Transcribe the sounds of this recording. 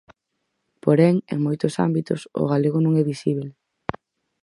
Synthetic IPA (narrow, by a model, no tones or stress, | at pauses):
poɾɛŋḛŋmojt̪ʊsa̰mbit̪ʊ̰so̰ɣaleɣonõŋɛβisiβ̞l